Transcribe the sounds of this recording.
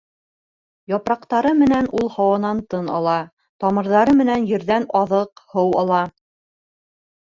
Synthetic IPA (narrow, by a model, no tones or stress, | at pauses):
jɑpɾɑqt̪ɑɾɤmɘ̆nænulˠhɑwɑnɑnt̪ɤnɑ̰lˠɑ | t̪ɑmɤ̆ɾðɑɾɤmɘ̆nænjɘ̆ɾðænɑðɤqhɤwɑlˠɑ